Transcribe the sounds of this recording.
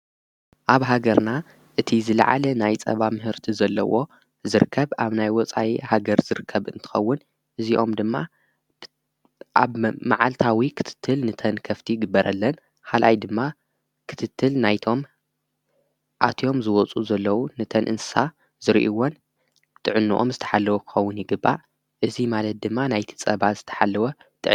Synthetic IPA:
ʔaβɦaɡɐɾna | ʔɨt̪ʰizɨla̰ʕa̰lɐnajt͡sʼɐ̰βamɨɦɨɾt̪ʰizɐlːɐ̰wo̞ | zɨɾɨkʰːɐβaβnajwɔt͡sʼa̰ihaɡɐɾzɨɾɨkʰːɐβɨ̰nt̪ʰɨ̥xɐwːʊn | ʔɨziʔo̞md̪ɨmːa | ʔa̰βmaʕalt̪ʰawikʰɨ̥t̪ʰɨ̥t̪ʰːɨlnɨt̪ʰɐnkʰɐft̪ʰiɡɨbːɐɾʔɐlːɐn | kʰalʔajd̪ɨmːa | kʰɨ̥t̪ʰɨt̪ʰːɨlnajt̪ʰo̞m | ʔat̪ʰjo̞mzɨwɔt͡sʼuzɐlːɐwunɨt̪ʰɐnʔɨ̰nsɨ̥sa | z̥ɨɾʔiwon | t̪ʼɨʕɨnːuʔo̞̰mzɨt̪ʰɐ̥ħalːɐwɐkʰɨ̥xɐwːʊnjɪɡɨbːa̰ | ʔɨzimalɐt̪̚d̪ɨmːanajt̪ʰi̥t͡sʼɐβaz̥ɨt̪ʰɐ̥ħalːɐwɐt̪ʰʼɨʕ

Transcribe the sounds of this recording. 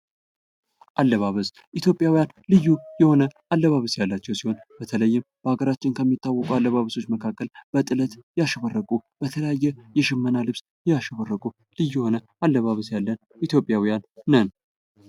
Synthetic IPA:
ʔalːəβaβəs | ʔit̪ʰjo̞pʼjawijan | lɨjːujɛho̞nə | alːəβaβəsjalːat͡ʃːɛwsiho̞nb̥ət̪ʰələjːɪmb̥əhaɡəɾat͡ʃːɪnkʰəmːit̪ːawːɔkʼualːəβaβəso̞t͡ʃːməkʰakːəlb̥ət̪ʼɨlət̪jɛaʃəβərːəkʼub̥ət̪ʰələjajːɛjɛʃɪmːənalɨβs | jɛjaʃəβərːəkʼu | lɨjːujɛho̞nə | alːəβaβəsjalːən | it̪ʰjo̞pʼːjawijanːən

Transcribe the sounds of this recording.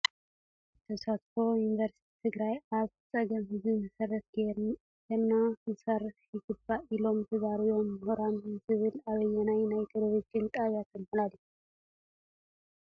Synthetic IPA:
t̪ʰɐsat̪fo̞juniveɾst̪ʰit̪ʰɨɡɾajaβsʼɐɡɐmhɨzɨnɨsɐrːɐt̪̚ɡeɾ | ɡenːamɨsart̪ɪɡɨbailo̞mt̪ʰɨzaɾijo̞mhuɾamɨnsɨβɨlaβɐjːɛnajnajt̪ʰeloβid͡ʒɪnt̪ʼajat̪ʰɨmhɨlalːi

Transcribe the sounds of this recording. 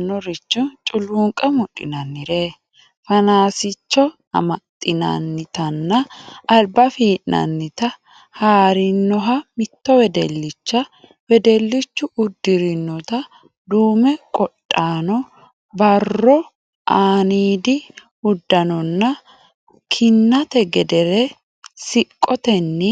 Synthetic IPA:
nːɔɾɪt͡ʃːʊt͡ʃʼʊluːŋkʼɐmʊᶑɪ̰nɐnːɪɾeː | fɐnaːsɪt͡ʃːɔ | ɐ̰mɐt̪ʼːɪnɐ̰nːɪt̪ɐnːɐːlbɐfiːʔnɐ̰nːɪt̪ɐ | haːɾɪnːɔɦɐmɪt̪ːɔwɛd̪ɛlːɪt͡ʃːɐ | wɛd̪ɛlːɪt͡ʃːʊʔʊd̪ːɪɾɪnːɔt̪ɐ | d̪uːmɛkʼɔtʼːaːnɔ | bɐrːɔ | ʔaːniːd̪ɪ | ʊd̪ːɐnɔnːɐ | kʰɪnːɐt̪ɛɡɛd̪ɛɾɛ | sɪkʼːɔt̪ɛnːɪ

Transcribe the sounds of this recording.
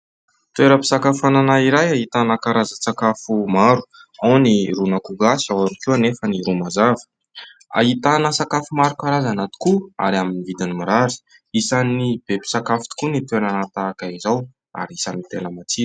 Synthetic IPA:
t̪weɾəpi̥sakafananaiɾajaɦit̪anəkaɾazasakafumaɾu̥awniɾunakuɡasiawaɾukuanefəniɾumazav̥ | a̰ɦit̪anəsakafumaɾukaɾazanat̪i̥kua̰ɾiaminivid̪inimiɾaɾi̥ | isanib̥epi̥sakafi̥t̪i̥kunit̪weɾanat̪aːkaizaw | a̰ɾiisanit̪enəmat͡si̥

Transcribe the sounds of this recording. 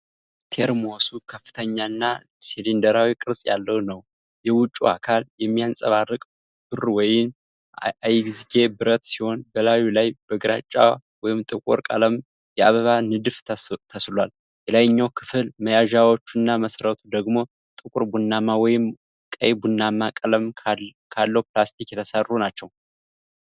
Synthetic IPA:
t̪ʰeɾmo̞sukʰəfːɨ̥t̪ʰəɲːanːa | silind̪əɾawikʼɨɾsʼja̰lːəwnəw | jɛwʊt͡ʃʼːua̰kʰaljɛmːijansʼəβarːɨkʼ | b̥ɨrwɔjɪm | ajɡziɡebɨɾət̪siho̞nbəlajulajb̥əɡɾa̰t͡ʃʼːaw | wɔjɪmt̪ʼɨkʼṵɾkʼa̰ləm | jɛaβəβanɨd̪ɨft̪ʰəslwal | jɛlajɨɲːawkʰɨfɨlməjaʒawo̞t͡ʃːunːaməsɾət̪ʰud̪əɡmo̞ | t̪ʼɨkʼuɾbunːamawɔjɪm | kʼə̰jbunːamakʼələmʰ | kʰalːəwplast̪ikjɛt̪ʰəsərːunat͡ʃːɛw

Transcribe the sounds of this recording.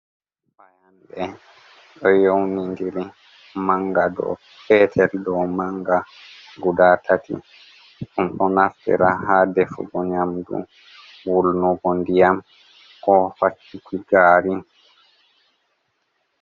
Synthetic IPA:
fajanɗɛ | ɗɔjownindiɾi | maŋɡadɔ̰ | pɛtʰɛldɔmaŋɡaɡudatʰatḭ | ʔumɗɔnaftɛ̰ɾahadɛfṵbɔɲamdṵ | wulnɔɡɔndijam | kɔfat͡ʃːikiɡaːɾi

